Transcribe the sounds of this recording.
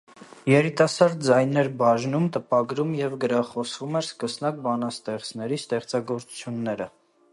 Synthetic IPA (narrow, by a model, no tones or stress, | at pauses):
jɛɾit̪ɑsɑɾd̪̚d͡zɑjnɛɾbɑʒnumt̪əpɑɡɾumjɛvɡəɾɑχɔsvumɛɾskəsnɑk̚bɑnɑst̪ɛχt͡snɛɾist̪ɛχt͡sɑɡɔɾt͡su̥t͡sʰjunːɛɾə